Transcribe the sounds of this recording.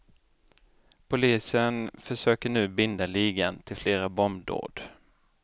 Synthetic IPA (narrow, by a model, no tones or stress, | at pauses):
pʰʊliːsənfœʂøːkəɳʉ̟ːbɪnd̪aliːɡant̪ʰɪlfleːɾabɔmd̪o̰ːɖ